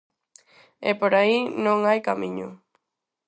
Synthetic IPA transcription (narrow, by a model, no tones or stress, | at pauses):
epoɾainõŋajkamĩɲṵ